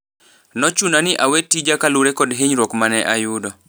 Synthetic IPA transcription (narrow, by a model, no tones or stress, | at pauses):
nɔt͡ʃunanɪʔawetːid͡ʒakalʊɾɛkɔdɦeɲɾɔkmanɛʔajʊdɔ